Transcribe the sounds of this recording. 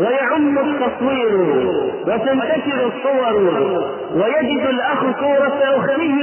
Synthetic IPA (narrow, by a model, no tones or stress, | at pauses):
wajaʕʊmːʊt̪ːɑsˤwiːɾwat̪ant̪akɪɾsˤːʊwɑɾˤ | wajad͡ʒɪd̪alʔaxkuːɾˤɑfʔawxanɪjː